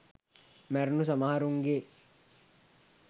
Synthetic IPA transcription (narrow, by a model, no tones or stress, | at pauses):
mæɾnusamaɦaɾuŋɡe